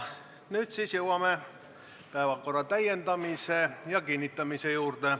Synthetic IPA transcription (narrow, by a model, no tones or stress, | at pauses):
nyt̪sisjewɑme | pæevɑkorːɑt̪æjent̪ɑmisejɑkinːit̪ːɑmisejuːrt̪e